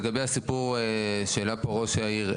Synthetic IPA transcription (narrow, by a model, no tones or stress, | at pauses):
ɡabejasipuʁʃelapoʁoʃeaiʁ